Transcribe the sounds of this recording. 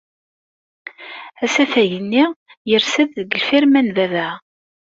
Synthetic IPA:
æsæθæʝənːi | jəɾsæððəɡəlfiɾmænðæðæ

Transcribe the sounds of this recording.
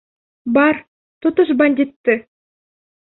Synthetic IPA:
bɑɾ | t̪ut̪uʃbɐnʲd̪ʲit̪ːɨ

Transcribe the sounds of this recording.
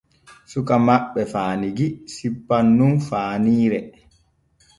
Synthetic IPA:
sukamaɓːɛfaːniɡisipːanːunfaːniːɾɛ

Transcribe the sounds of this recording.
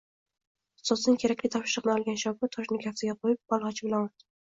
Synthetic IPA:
sɒsnɪŋkʰʲeɾakʲlʲɪt̪ʰɒpʃɪɾɨqnɪɒlˠɡʲanʃɒbɪt̪ʰɒʃnɪkʲʰafsɪɡʲaqʰojɪp̚bɒlˠʁɑt͡ʃʰɪbɪlanoɾt̪ʰɪ

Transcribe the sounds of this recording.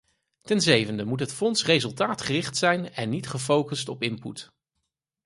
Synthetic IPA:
tɛnzejvəndəmutɦətfɔnsrejzɵlˠtaːtχərɪχtsɛjnɛnːitχəfowkəstɔpɪmput

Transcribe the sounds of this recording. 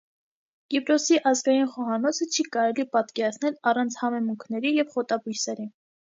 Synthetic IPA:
ɡ̥ipɾɔsiʔɑzɡɑjinχɔɦɑnɔt͡sʰət͡ʃʰikɑɾɛlipɑt̪kɛɾɑt͡sʰnɛlɑrɑnt͡sʰhɑmɛmuŋkʰnɛɾijɛvχɔt̪ɑbujsɛɾi

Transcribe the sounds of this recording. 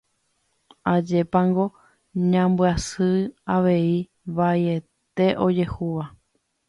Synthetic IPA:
ad͡ʒe̞pãŋɡo̞ | ɲãmbɨasɨaʋe̞i | βajet̪e̞ʔo̞d͡ʒe̞huʋa

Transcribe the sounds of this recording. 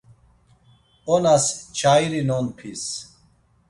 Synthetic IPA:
onast͡ɕʰajɾinonpʰis

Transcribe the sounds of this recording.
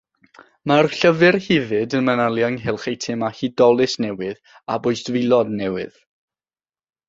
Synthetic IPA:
marɬəvɨrhɪvɨdənmənalˠjaŋɦɪlˠχejtʰɪmahidɔlˠɪsnɛwɪð | a̰bʊjsd̥vɪlˠɔdnɛwɪ̰ð̥

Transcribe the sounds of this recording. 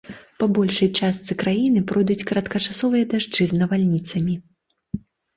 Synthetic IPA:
pɐbɔlʲʂɐjt͡ʂast̪sɨkɾajinɨpɾɔjd̪ut͡sʲkɾɐt̪kɐt͡ʂasɔvɨjɐd̪aʐt͡ʂɨznɐvalʲnʲit̪sɐmʲi

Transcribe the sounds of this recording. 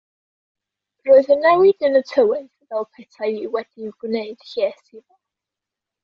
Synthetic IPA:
roːɨðənɛwɪdənətʰəwɪnθvɛlˠpʰɛtʰaiwɛd̥iɡwneɨd̥ɬɛːsiðɔ

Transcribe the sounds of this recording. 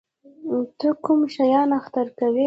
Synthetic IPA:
t̪əkumʃajɑnaxt̪aɾkawe

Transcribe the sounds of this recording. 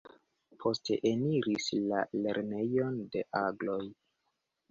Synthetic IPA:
pʰo̞stʰe̞̰ʔeniɾislale̞ɾne̞jo̞nde̞ʔaɡlo̞j

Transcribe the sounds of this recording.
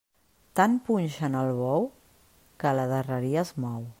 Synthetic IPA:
t̪ampunʲʃənəlˠβɔw | kələðərəɾiəzmɔw

